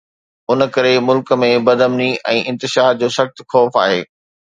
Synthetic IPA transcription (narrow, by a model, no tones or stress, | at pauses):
ʊnəkɐɾemʊlk̆mẽbɐd̪ʱəmniʔɛ̃ːʔɪ̃nt̪ɪʃaːɾ̚d͡ʑoːsɐxt̪xɔːfa̰ːɦeː